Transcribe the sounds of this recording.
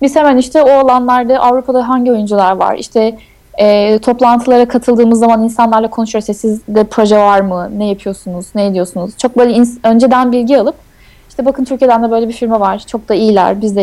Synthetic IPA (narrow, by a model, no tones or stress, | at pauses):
bisemɛniʃt̪ʰɛoalˠanlˠaɾd̪aʔavɾupʰad̪aɦaɲɟio̞jund͡ʒulˠaɾva̰ɾḭʃt̪ʰɛː | t̪ʰo̞plˠant̪ʰɯlˠaɾakʰat̪ʰɯlˠd̪ɯːmɯzːamaninsanlˠaɾlˠakʰo̞nuʃjosɛsizd̪ɛpʰɾo̞ʒɛvaɾmɯnɛjapʰɯjo̞sunuz̥nɛjd̪ijo̞sunuz̥t͡ʃʰo̞k̚bø̞ːlʲɛinsø̞nd͡ʒe̞d̪ænbilʲɟialˠɯp̚ | iʃt̪ʰɛbakʰɯnt̪ʰyɾcʰijd̪ænd̪ɛbø̞jlʲebifiɾmɛvaɾ̥t͡ʃʰo̞k̚d̪aijlʲæ̰ɾbizd̪ɛ